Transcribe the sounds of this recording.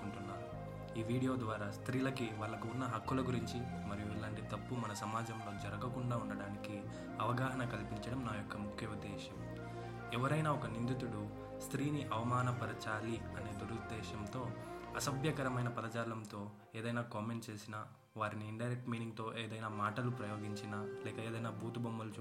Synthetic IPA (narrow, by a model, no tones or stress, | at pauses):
uɳʈunːaːɾu | iːʋiːɽijo̞ːd̪ʋaːɾaːst̪ɾiːlɐkiʋaːɭːɐkuunːɐɦɐkːulɐɡuɾiɲt͡ʃi | mɐɾijuilaːɳʈit̪ɐpːumɐnɐsɐmaːd͡ʒɐmlo̞ːd͡ʒɐɾɐɡɐkuɳɖaːuɳɖɐɽaːniki | ɐʋɐɡaːɦɐɳɐkɐlpiɲt͡ʃɐɽɐmnaːjɔkːɐmukʰjɐud̪ːɛːʃɐm | ɛʋɐɾɐjnaːɔkɐnind̪it̪uɽu | st̪ɾiːniʔɐʋɐmaːnɐbɐɾɐt͡ʃaːliɐne̞ːd̪uɾud̪ɛːʃɐmt̪o̞ːɐsɐbjɐkɐɾɐmɐjnɐpɐd̪ɐt͡ʃaːlɐmt̪o̞ː | eːd̪ɐjnaːkaːme̞ɳʈt͡ʃe̞ːsinaː | ʋaːɾiniːɳɖɐjɾek̚ʈmiːniŋɡ̚t̪o̞ːʔeːd̪ɐjnaːmaːʈɐlupɾɐjo̞ːɡiɲt͡ʃinaːlɛːkɐeːd̪ɐjnaːbuːt̪ubɐmːɐlu